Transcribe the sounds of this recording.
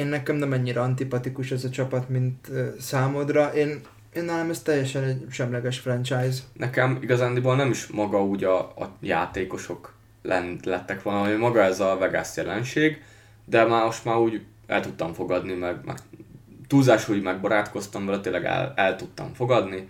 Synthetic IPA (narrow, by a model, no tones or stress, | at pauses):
eːnːɛkɛmnɛmɛɲːiɾɛɒnt̪ipɒt̪ikuʃɛzɒt͡ʃɒpɒt̪mint̪øsaːmod̪rɒʔeːn | eːnːaːlamɛst̪ɛjːɛʃɛnɛɟʃɛmlɛɡɛʃfrɛnt͡ʃajznʔɛkɛmiɡɒzaːnd̪ibolnɛmiʃmɒɡɒuːɟɒ̰ːja̰ːt̪eːko̞ʃo̞k | lɛnlɛt̪ːɛkʋonɒmimɒɡɒɛzɒvɛɡa̰ːsjɛlɛnʃeːɡ | d̪ɛmaːmo̞ʃt̪maːɾuːɟ | ɛ̰lt̪ut̪ːɒɱfo̞ɡɒd̪nimɛɡmɛ̰ɡt̪uːzaːʃuːɟmɛɡ̚bɒɾaːt̪ko̞st̪ɒmvɛlɛt̪ilːɛɡɛ̰lɛlt̪ut̪ːɒ̰ɱfo̞ɡɒd̪ni